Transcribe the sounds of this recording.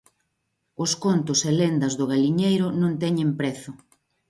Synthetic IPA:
ʊskont̪ʊselend̪ɐzðʊɣaliɲejɾʊnõnt̪ɛɲẽmpɾɛθʊ

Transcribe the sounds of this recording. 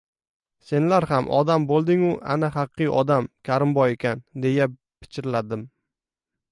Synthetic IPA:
se̞nlaɾhamʔɒ̰d̪ambolˠd̪ɪŋʊʔa̰nahɑqʰːɨjʔɒd̪amkʲʰaɾɪmbɒje̞kʲʰand̪e̞ja | pʰɪ̥t͡ʃʰɪɾlad̪ɪm

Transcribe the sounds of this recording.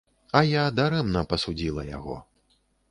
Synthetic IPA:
ɐjad̪aɾɛmnɐpɐsud͡zʲilˠɐ̰ja̰ɣɔ̰

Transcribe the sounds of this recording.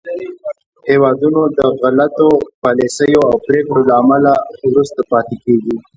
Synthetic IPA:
hewɑd̪unod̪əɣalat̪opɑlesəjoawpɾekɽolaːmalawɾust̪apɑt̪ekeɡi

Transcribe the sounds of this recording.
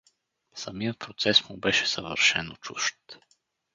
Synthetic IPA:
sɐmijət̪̚pɾot̪sɛsmubɛʃɛ̥səvə̰ɾʃɛnot͡ʃuʃt̪

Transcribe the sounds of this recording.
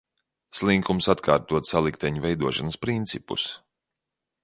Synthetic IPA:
slˠiŋkumsat̪kʰaːɾt̪uɔt̪salˠikt̪ɛɲuvɛjd̪uɔʃanəspɾint̪sipṵs

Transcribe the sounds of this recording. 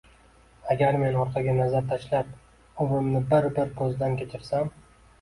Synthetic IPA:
aɡʲaɾme̞nɒɾqʰɑɡʲanazaɾt̪ʰaʃlap̚ | ʊmɾɪmnɪbɪɾbɪɾpʰozd̪ankʲʰe̞t͡ʃʰɪɾsam

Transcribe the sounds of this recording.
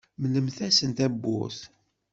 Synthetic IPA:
mləmθæsənt̪æbːʊ̰θ

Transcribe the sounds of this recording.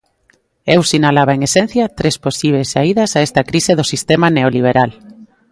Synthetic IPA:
ewsinalaβaeŋesen̟θjɐt̪ɾesposiβesaiðɐsaest̪ɐkɾiseðosist̪emaneoliβ̞eɾal

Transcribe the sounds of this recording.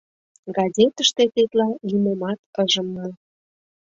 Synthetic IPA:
ɡɑzʲet̪əʃt̪et̪et̪lɑlimemɑt̪̚kəʒəmːu

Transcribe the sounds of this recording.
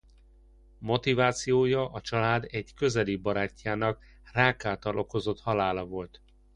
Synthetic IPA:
mo̞t̪ivaːt̪sijoːjɒʔɒt͡ʃɒlaːd̪ɛɟkø̞zɛlibɒɾaːcːaːnɒk | raːkaːt̪ɒlʔo̞ko̞zo̞t̪hɒlaːlɒvo̞lt̪

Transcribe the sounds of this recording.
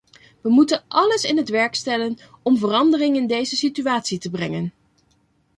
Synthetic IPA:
ʋəmutənʔɑləsɪnɦətʋɛɹkstɛlənɔmvərɑndərɪŋɪndejzəsityaːtsitəbrɛŋən

